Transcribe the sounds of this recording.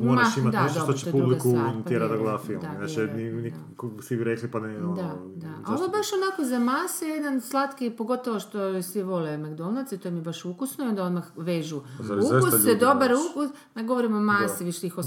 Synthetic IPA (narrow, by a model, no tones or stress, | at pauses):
momaʃimat̪d̪adt̪ot̪t͡ɕ̪publikunt̪eɾad̪aɡlˠafid̪anat͡ʃɛnini | sibiɾeklipaned̪ad̪aa̰onobaʃonakozamaːsijed̪anslˠat̪kipo̞ɡo̞t̪oʋoʃt̪osʋiʋo̞lemaɡd̪olnasit̪ojemibaʃukusnojo̞nd̪aod̪maxʋeːʒuukust̪ojd̪o̞baɾukus | naɡoʋoɾimomaːssiʋiʃt̪ixo